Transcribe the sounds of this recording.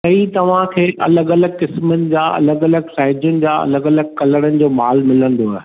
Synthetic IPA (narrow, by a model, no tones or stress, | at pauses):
ɐit̪ɐʋ̤ãkʰeːʔɐ̰ləɡɐləɡkɪsmənɪ̆d͡ʑaːɐ̰ləɡɐləɡsaːɦɪd͡ʑjʊnɪ̆d͡ʑaːɐ̰ləɡɐləɡkɐləɽ̃ənɪ̆d͡ʑoːmaːlmɪlə̃nd̪oaːɦ